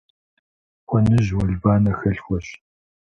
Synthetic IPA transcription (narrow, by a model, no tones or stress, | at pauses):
qʷʰʼɔnɨʑwɐɮvaːnɐxɐɬxʷɔɕ